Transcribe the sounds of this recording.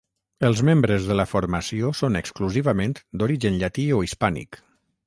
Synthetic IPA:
əlˠzmembɾəzðələfoɾməsiosonəkskluziβəmẽnt̪d̪oɾiʒənʎat̪ioispanḭk

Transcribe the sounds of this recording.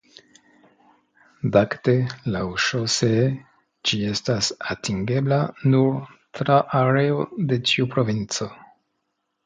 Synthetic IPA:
dakte̞lawʃose | d͡ʒie̞stasatiŋɡe̞blanuɾtɾaʔaɾe̞ode̞t͡ʃiupɾo̞vint͡so̞

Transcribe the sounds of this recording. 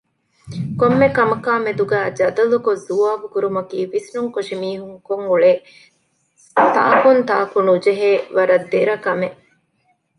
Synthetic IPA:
komːekɐmɐkaːmed̪uɡæːd͡ʒɐd̪ɐlukozuaːbukuɾumɐkiːʋisnuŋkoʂimiːɦuŋkoŋuɭeː | t̪a̰ːkunt̪a̰ːkunud͡ʒeɦeːʋɐɾɐd̪ːeɾɐkɐmeʔ

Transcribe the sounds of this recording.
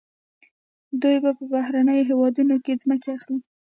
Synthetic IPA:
d̪ujbapəbahɾanəjoɦewɑd̪unokezməkeaxli

